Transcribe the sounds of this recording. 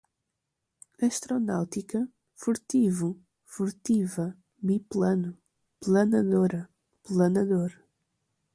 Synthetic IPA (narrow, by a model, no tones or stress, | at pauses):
ɐʃt̪ɾɔnawt̪ikɐ | fuɾt̪ivu | fuɾt̪ivɐ | miplˠɐnu | plˠɐnɐðoɾɐ | plˠɐnɐðoɾ